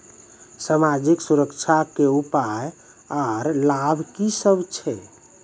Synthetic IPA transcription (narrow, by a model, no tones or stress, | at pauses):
samad͡ʒiksuɾəkt͡ʃʰakeupaj | aɾlabʱkisəbt͡ʃʰɛ